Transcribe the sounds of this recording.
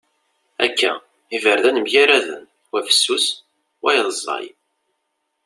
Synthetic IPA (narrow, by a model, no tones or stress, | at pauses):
ækːæ̰ | ivəɾðænəmjaɾæðə̰n | wæfə̥sːus | wæjðˤzˤːɑ̰j